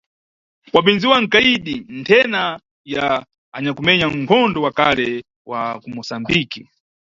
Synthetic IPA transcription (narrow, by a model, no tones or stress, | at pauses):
kwaɓind͡ziwaŋ̩kaiɗintʰɛna | jaː | ɲakumɛɲaŋ̩kʰɔndɔwakalɛ | wakumɔsambiki